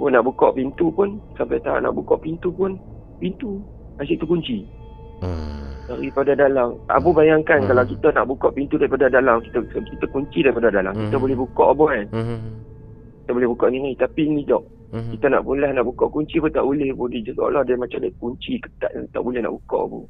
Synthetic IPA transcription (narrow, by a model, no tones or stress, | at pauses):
bɔnaʔbukɔʔpint̪upʊnsampajt̪aa̰ʔna̰ʔbukɔʔpint̪upʊn | pint̪u | asiʔt̪ukuɲt͡ʃi | daɾipadadalaŋa̰bubajaŋkankalawkit̪ana̰ʔbukɔʔpint̪udaɾipadadalamkit̪akit̪akuɲt͡ʃidaɾipadadala̰ŋkit̪əbolɛhbukɔʔbɔan | kit̪əbolɛhbukɔʔniŋat̪apinidɔʔ | kit̪ana̰ʔpunlahnaʔbukɔʔkuɲt͡ʃipʊnt̪aʔbulɪhbudid͡ʒaso̰lahdamat͡ʃamdakuɲt͡ʃikə̥t̪a̰ʔa̰t̪a̰ʔbulɛhna̰ʔbukɔ̰ʔa̰bṵ